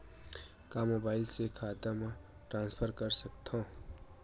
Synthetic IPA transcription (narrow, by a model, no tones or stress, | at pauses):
kamobaɪlsekʰaːt̪amã | ʈɾãːnspʰəɾkəɾsək̚t̪ʰõ